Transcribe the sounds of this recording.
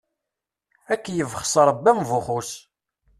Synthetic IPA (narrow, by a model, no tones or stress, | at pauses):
ækːjəvχsˤɾˤəbːæmvuχus